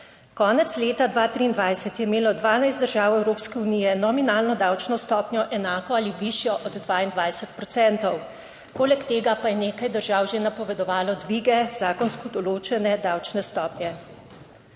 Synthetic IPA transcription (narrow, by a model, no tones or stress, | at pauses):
kɔːnɛt̪sleːt̪ad̪ʋaːt̪ɾiːnd̪ʋajsɛt̪jɛimeːlɔd̪ʋaːnajst̪d̪əɾʒaːwɛwɾoːpskɛunijɛnɔminaːlnɔd̪awt͡ʃnɔst̪ɔːpnʲjɔʔɛnaːkɔaliʋiʃjɔʔɔd̪d̪ʋaːind̪ʋajsɛt̪̚pɾɔt̪sɛnt̪ɔw | poːlɛkt̪eːɡapajɛneːkajd̪əɾʒaːwʒenapɔʋɛd̪ɔʋaːlɔd̪ʋiːɡɛzaːkɔnskɔd̪ɔloːt͡ʃɛnɛd̪awt͡ʃnɛst̪ɔːpnjɛ